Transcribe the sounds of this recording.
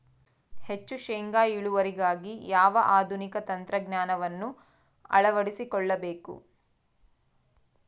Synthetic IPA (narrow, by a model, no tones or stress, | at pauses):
het͡ʃːuʃeːŋɡaːiɭuʋɐɾiɡaːɡijaːʋɐʔaːd̪ʱunikɐt̪ɐnt̪ɾɐɡɲaːnɐʋɐnːu | ɐ̰ɭɐʋɐɽisikɔɭːɐbeːkṵ